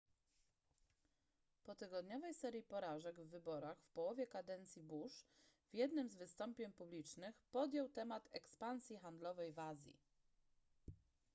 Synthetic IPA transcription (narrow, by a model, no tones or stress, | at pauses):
pɔt̪ɘɡɔd̪ɲɔvɛjsɛɾʲjipɔɾaʐɛɡvːɘbɔɾaxfpɔwɔvʲjɛkad̪ɛnt̪sʲjibuʂv̥jɛd̪nɘmzvɘst̪ɔmpʲjɛɲpublʲit͡ʂnɘxpɔd̪jɛwt̪ɛmat̪ɛkspansʲjixand̪lɔvɛjvazʲjḭ